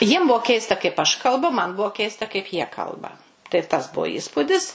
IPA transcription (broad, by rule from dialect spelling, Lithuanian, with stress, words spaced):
jiɛm ˈbuɔ ˈkʲɛɪstɐ kɐɪp ɐʃ kɐlˠˈbʊ mɐn ˈbuɔ ˈkʲɛɪstɐ kɐɪp jiɛ ˈkɐlˠbɐ tɐɪ tɐs ˈbuɔ ˈiːspʊdʲɪs